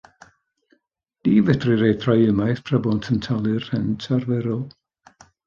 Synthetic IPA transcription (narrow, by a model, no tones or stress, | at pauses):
d̥iːvədrɨɾejθrajəmajθpʰrəbɔntʰəntʰalˠɨrhəntʰarvɛɾɔlˠ